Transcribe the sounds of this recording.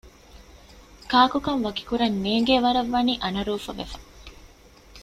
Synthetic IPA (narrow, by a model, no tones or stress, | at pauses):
kaːkukɐnʋɐki̥kuɾɐnːeːŋɡeːʋɐɾɐʋːɐniːʔɐnɐɾuːfɐʋḛfɐ̥